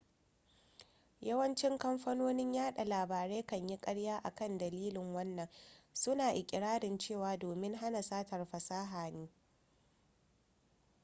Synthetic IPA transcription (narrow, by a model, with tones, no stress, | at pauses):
jɐ˦wɐ˦nt͡ʃɪ˦ŋkɐ˦mɸɐ˦noː˦nɪ˦ɲjaː˦ɗa˨laː˨baː˨ɾe˦kɐ˦˨ɲji˦kʼɐ˦ɽjaː˦ʔa̰˨kɐ˦˨ndɐ˨liː˦lɪ˨ŋwɐ˦nːɐ˨ŋsʊ˦naː˨ʔɪ˨kʲʼɪ˨ɽaː˦ɽɪ˨nt͡ʃeː˦˨waː˨doː˨mɪ˦ŋɦa˦na˨saː˦tɐ˨rɸɐ˨saː˦ɦaː˨neː˦